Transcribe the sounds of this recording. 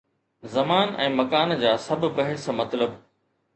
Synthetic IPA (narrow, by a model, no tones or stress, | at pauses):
zɐmaːnɛ̃ːmɐkaːnd͡ʑaːsɐbbɐɦɪsmɐt̪ləb